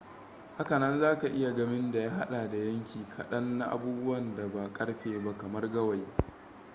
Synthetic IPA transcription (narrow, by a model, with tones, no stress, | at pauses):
ha˦kɐ˨nɐ˦nzaː˦ka˨ʔɪ˦ja˨ɡɐ˦mɪ˦nda˨jaː˦ɦa˦ɗaː˨da˨jɐ˦ŋkʲiː˨kʰɐ˨ɗɐ˦nːa˦ʔa̰˦buː˦bʊ˦wɐ˨nda˨ba˨kʼɐ˦ɽɸeː˨ba˦kɐ˨mɐ˦rɡɐ˦wa˨j